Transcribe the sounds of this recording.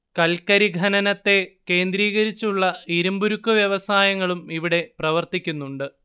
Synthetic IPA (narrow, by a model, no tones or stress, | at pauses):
kɐlkɐɾiɡʱɐnɐnɐt̪ːe̞ke̞ːnd̪ɾiːɣɐɾit͡ɕːuɭːɐiɾumbuɾukːuʋjɐʋɐsaːjɐŋːɐɭumiʋiɽe̞prɐʋɐrt̪ikʲːunːuɳɖɨ